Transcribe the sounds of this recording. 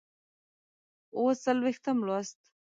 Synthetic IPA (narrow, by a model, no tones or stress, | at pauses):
osalwext̪amlast̪̚